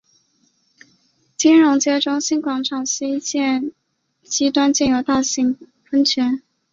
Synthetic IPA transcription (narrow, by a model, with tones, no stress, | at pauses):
t͡ɕi˥nɻʊ˧˥ŋt͡ɕjɛ˥ʈ͡ʂʊ˥ŋɕi˥˩nkwɑ˨˩ŋʈ͡ʂʰɑ˨˩ŋɕi˥˧t͡ɕjɛ˥˩n | t͡ɕi˥t̪wa˥nt͡ɕjɛ˥˩njo˨˧˥ʊt̪a˥˩ɕi˧˥˩ŋ | fə˥ŋt͡ɕʰɥɛ˧˥n